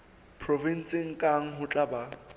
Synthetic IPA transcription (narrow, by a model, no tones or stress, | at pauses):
pʰrɔvin̩sɪŋ̩kʼaŋ̩ɦʊt͡ɬʼaba